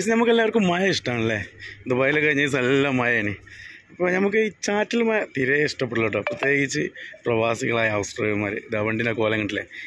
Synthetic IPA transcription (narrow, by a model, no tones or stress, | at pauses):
pɐsenɐmukːelːaːʋɐrkːumːɐjɐiʂʈɐaːɳilːed̪ubɐːjilekːɐɻiɲːɐis̬elːamːɐjɐeːniɐpːoːnɐmuk̬ːɨit͡ɕaːtːilmɐjɐt̪iɾeiʂʈɐp̬ːeɽɨlːoʈːɨprɐt̪je̞ːɡit͡ɕːɨprɐʋaːsiɣɐɭaːjɐɐʋɐsʈrɐːjɐmaːɾɨ̰d̪ɐʋɐɳɖineko̞ːlɐŋːɐɭʈːilḛ